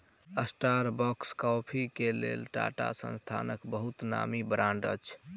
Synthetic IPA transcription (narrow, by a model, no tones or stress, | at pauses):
əsʈaɾbɔkskɔpʰikelḛlʈa̰ʈa̰sə̰̃nst̪ʰanəkbəɦut̪na̰mibɾãɳɖət͡ʃʰ